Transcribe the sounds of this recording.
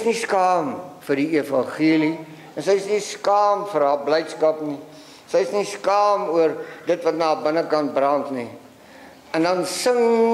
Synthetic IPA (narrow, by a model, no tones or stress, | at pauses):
sniskɑːmfərdiefɐnχiəli | ɛnsəjsniskɑːmfəɾɦaːblɛjtskɐpni | səjsniskɑːmuərdətvɐtnɑːbənəkɐnt̚brɐntni | ɛndɐnsəŋ